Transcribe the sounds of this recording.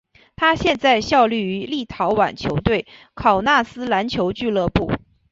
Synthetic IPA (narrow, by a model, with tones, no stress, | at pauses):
t̪ʰa˥ɕjɛ˥˧nt͡sa˥˧ɪɕjɑ˥˧ʊly˥˩y˧˥li˥˩t̪ʰɑ˧˥ʊwa̰˨˩nt͡ɕʰjo˧˥ʊt̪we˥˩ɪ | kʰɑ˨˩ʊna˥˩sɹ̩˥la˧˥nt͡ɕʰjo˧˥ʊt͡ɕy˥˧lɤ˥˧pu˥˩